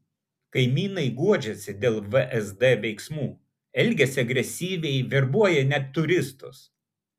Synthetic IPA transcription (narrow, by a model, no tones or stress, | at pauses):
kɐɪmʲiːnɐɪɡuɔd͡ʒʲɛsʲɪd̪ʲeːlˠʋəʔɛzd̪ɛʋʲɛɪksmuː | ɛlʲɡʲɛsʲɪɐɡɾʲɛsʲiːʋʲɛɪʋʲɪɾbuɔjɛnʲɛt̪ːʊɾʲɪst̪ʊs